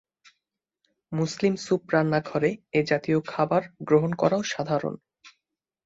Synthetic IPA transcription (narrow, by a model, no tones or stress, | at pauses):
muslimsupɾanːaɡʰʱɔɾeed͡ʑat̪iokʰabaɾɡɾoɦonkɔ̰ɾaoʃad̪ʱaɾo̰n